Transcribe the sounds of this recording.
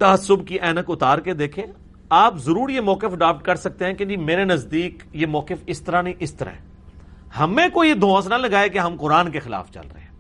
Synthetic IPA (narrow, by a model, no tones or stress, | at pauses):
t̪ɐɦəsʊbkiʔɛːnəkʊt̪aːɾked̪eːkʰẽ | aːpzɐɾuːɾijemɔːkɪfɖaːp̚ʈ̚kɐɾsɐk̚t̪ẽɦɛ̃ked͡ʒimeːɾenɐzd̪iːkjemɔːkɪfɪst̪əɾanĩʔɪst̪əɾa̰ɦɛ̃ | hɐmẽkojed̪ʱõːsnɐlɐɡaːekeɦɐmqʊɾaːnkexɪla̰ːft͡ʃɐ̰lɾɐ̰ɦeɛ̃ː